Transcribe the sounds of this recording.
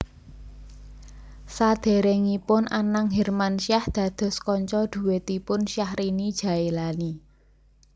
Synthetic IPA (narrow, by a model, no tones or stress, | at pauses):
sad̪̥e̤ɾeŋipʊnʔanaŋɦɛrmanʃiahd̪̥ä̤d̪̥ɔ̤skɔɲt͡ʃɔd̪̥ṳwet̪ipʊnʃjahrinid̥ʒ̥a̤elani